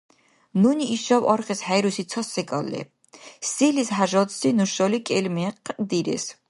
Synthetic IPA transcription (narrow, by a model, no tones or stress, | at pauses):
nuniʔːʃɔvɑɾχɛshæjɾusit̪t͡s̪ʰɔsɛɡʼɑlːɛ̰ | silishaʒɔt̪sinuʃɔlikʼɛlmɛqʼd̪iɾɛ̰s